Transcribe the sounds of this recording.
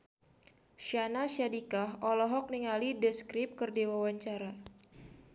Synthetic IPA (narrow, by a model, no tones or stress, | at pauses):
ʃanaʃadikaɦɔlɔɦɔk̚niŋalidəskɾɪp̚kərdiwawaɲt͡ʃaɾa